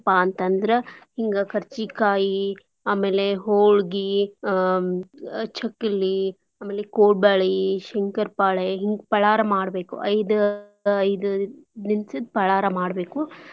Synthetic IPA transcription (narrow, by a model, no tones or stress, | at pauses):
paɐnt̪ɐnd̪ɐɾehiŋɡɐkʰɐɾt͡ʃikaːji | aːmeːleɦoːɭɡi | t͡ʃʰɐkːilːi | aːmeːlekoːɽ̚baːɭiʃɛŋkɐɾpaːɭeɦiŋɡpɐɭaːɾɐmaːɽbeːkṵʔɐjd̪ɐ | ɐjd̪ud̪insid̪pɐɭaːɾɐmaːɽbe̞ːku